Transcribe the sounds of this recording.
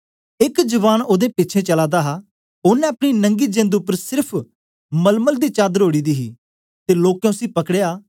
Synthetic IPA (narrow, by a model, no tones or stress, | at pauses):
ɪkd͡ʒəʋaːnoːd̪ẽːpɪtːt͡ʃʰẽːt͡ʃəlaːd̪aːɦaː | ʊnɛ̃ːɐpɽ̃inə̃ŋɡiːd͡ʒẽːnd̪ʊpːəɾsɪɾpʰ | məlməld̪iːt͡ʃaːd̪əɾoːɽiːd̪iːɦḭː | t̪eːloːkːjãʊsĩːpəkɽejaː